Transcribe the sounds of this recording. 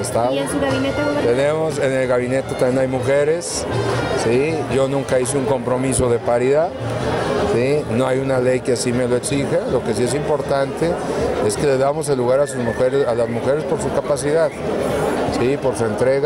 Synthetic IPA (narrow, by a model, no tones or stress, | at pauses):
est̪aesuɣaβinet̪et̪enemo̞se̞ne̞lɣaβine̞t̪et̪amjenajmuxe̞ɾe̞sː | iʝo̞nũŋkais̬euŋko̞mpɾo̞mis̬o̞ðe̞paɾiðað | sino̞ajunale̞jkeasime̞loeksixalo̞kes̬ie̞s̬impo̞ɾt̪ant̪e̞e̞ske̞le̞zðamo̞s̬e̞lːuɣaɾasuzmuxe̞ɾesalazmuxe̞ɾe̞spo̞ɾsukapasiðað | sipo̞ɾsue̞nt̪ɾe̞ɣa